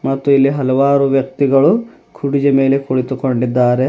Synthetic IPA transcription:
mɐt̪ːuilːiɦɐlɐʋaːɾuʋjɐk̚t̪iɡɐɭu | kʰuɽid͡ʒɐme̞ːlekoɭit̪ukoɳɖid̪ːaːɾe

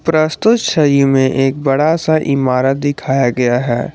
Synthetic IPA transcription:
pɾɐst̪ʊt̪ʃɐjũmẽʔeːk̚bɐɽasaʔɪmaːɾət̪̚d̪ɪkʰaːjaɡɐjaɦɛ̰ː

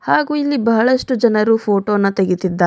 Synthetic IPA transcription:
haːɡuːilːibɐɦɐɭɐʂʈud͡ʒɐnɐɾuːpʰoːʈoːnːɐt̪eɡit̪id̪ːa

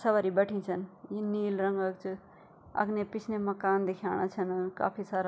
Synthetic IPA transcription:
sʌbaɾibʌʈʰint͡sʰʌnjiniːlɾʌŋɡakt͡sʰu | ʌ̰ɡnepit͡sʰnemʌkand̪ekʰawɽ̃at͡sʰʌnka̰pʰisaɾa

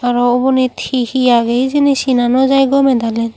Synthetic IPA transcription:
aɹɔobɔnit̪ʰhihijaɡejzinisinanɔzajɡɔmɛd̪alɛn

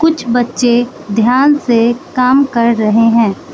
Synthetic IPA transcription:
kʊt͡ʃʰbɐtːʃe | d̪ʱjaːnsekaːmkɐɾːɐɦeɦɛ̃ː

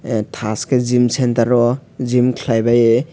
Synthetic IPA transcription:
tʰaskezimsentaɾɔzimkʰlajbaj

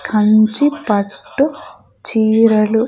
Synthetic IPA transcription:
kʰɐɲt͡ʃipɐʈːu | t͡ʃiːɾɐlu

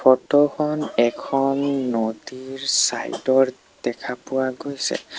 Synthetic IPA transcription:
pʰɔtɔkʰɔnɛkʰɔnːodiɹsa̰jdɔɹ | d̥ɛkʰapʊwaɡojsɛ̰

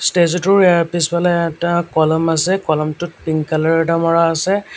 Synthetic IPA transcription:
stezɔtʊɹejaɹpispalaɛtakɔlɔmasɛkɔlɔmtʊt̚piŋkalaɹdamɔɹaːsɛ

